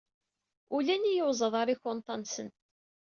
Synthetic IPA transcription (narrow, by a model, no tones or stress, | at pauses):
ulænijəwzˤəðˤɑɾˤiçont̪ˤɑnsən